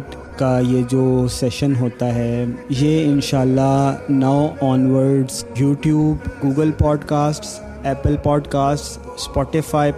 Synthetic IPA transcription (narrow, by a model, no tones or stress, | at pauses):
ʈ | kajed͡ʒoːsɛʃənɦoːt̪aɦɛːjeɪnʃaːlːanaʋɔːnʋəɾɖzjuːʈjuːbɡuːɡəlpɔːɖkaːsʈs | ɛːpəlpɔːɖkaːsʈsː | pɔːʈɪfaːi